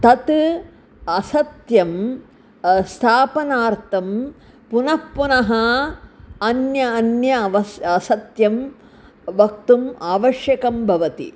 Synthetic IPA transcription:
t̪ɐt̪ | ɐsɐt̪jɐm | st̪ʰaːpɐnaːɾt̪ʰɐm | punɐpːunɐɦɐ | ɐnjɐːnjɐʋɐsɐsɐt̪jɐm | ʋɐkt̪umaːʋɐʃjɐkɐmbʱɐʋɐt̪ḭ

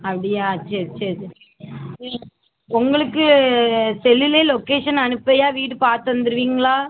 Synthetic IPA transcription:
ɐpːɐɽɪjaːɐt͡ʃːɐɐt͡ʃːɐð | ʊŋɡɐɭɯkːɯ | sɛlːɪleːlokeːʂɐnɐnɯpːɐjaːʋiːʈɯpaːɾt̪ɯʋɐnd̪ɯɾɯʋiːŋɡɐɭaː

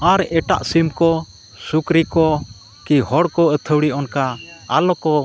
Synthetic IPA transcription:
aɾɛʈa̰ʔsimkɔ | sukɾikɔ | kihɔɽkɔət̪ʰəwɽiɔnkaa̰lɔkɔ

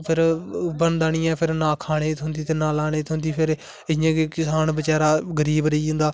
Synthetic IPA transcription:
pʰɪɾbənd̪aːɽ̃ĩːɛ̃ːpʰɪɾnaːkʰaːɽ̃eːt̪ʰɦʊ̃nd̪iːt̪eːnaːlaːɽ̃eːt̪ʰɦʊ̃nd̪iːpʰɪɾ | ɪjãːkekɪsaːnbət͡ʃaːɾaːɡəɾiːbɾəiːɦʊ̃nd̪aː

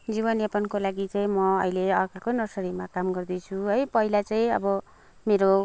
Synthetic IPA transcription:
d͡ziβʌnepʌnkolaɡit͡saĩmʌʌileʌkakonʌsʌɾimakamɡʌrd̪ʌt͡sʰuɦʌjpʌɦilat͡saĩʌ̰bʌ | meɾo

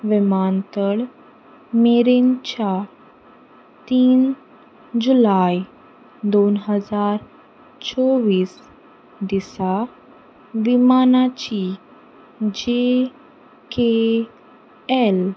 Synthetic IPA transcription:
ʋimant̪əɭ | meɾent͡ɕa | t̪iːn | d͡ʑulaj | d̪onɦəd͡zaɾ | t͡sɔʋiːs | d̪isa | ʋimanat͡ɕi | d͡ʑe | ke | el

